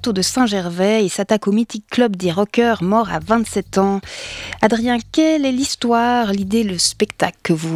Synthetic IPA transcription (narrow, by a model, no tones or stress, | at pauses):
t̪od̪əsɛ̃ʒɛʁvɛesat̪akomit̪ikːlœbd̪eʁɔkʲœʁmɔʁa̰vɛ̃t̪sɛt̪ɑ̃ad̪ʁijɛ̃kʲɛlɛlist̪waːʁlid̪eləspɛkt̪aklkəvu